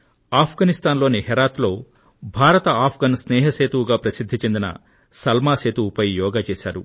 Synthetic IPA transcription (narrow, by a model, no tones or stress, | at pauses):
aːpʰɡaːnist̪aːnlo̞ːniɦɛɾaːt̪lo̞ː | bʱaːɾɐt̪ɐaːpʰɡɐnsnɛːɦɐseːt̪uwuɡaːpɾɐsid̪ʱːit͡ʃe̞nd̪inɐ̰ | sɐlmaːseːt̪uwupɐjijɔːɡaːt͡ʃeːʃa̰ːɾu